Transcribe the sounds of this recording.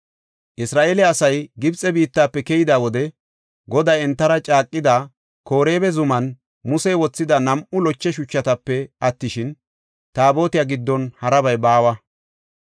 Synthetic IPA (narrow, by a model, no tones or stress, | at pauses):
ʔɪsɾaːʔeːlɛɐsɐjɡɪbt͡sʼɛbiːt̪ːaːpːɛkɛjɪd̪aːwɔd̪ɛ | ɡɔd̪ɐjɛnt̪ːɐɾɐt͡ʃʼaːkʼːɪd̪a | ko̞ːɾe̞ːbɛzʊmɐn | mʊsɛjwɔt͡sːɪd̪ɐnɐmʔʊlɔt͡ʃːɛʃʊt͡ʃːɐt̪ɐpːɛʔɐt̪ːɪʃɪn | t̪aːbo̞ːt̪ɪjaɡɪd̪ːɔnhɐɾɐbɐjbaːwɐ